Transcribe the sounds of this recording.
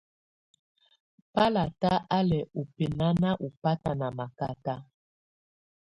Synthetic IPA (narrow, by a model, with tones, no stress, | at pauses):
pa˦la˨ta˦ʔa˦lɛ˨u˨pe˨na˦na˦ʔu˨pa˦ta˨na˨ma˨ka˦ta˦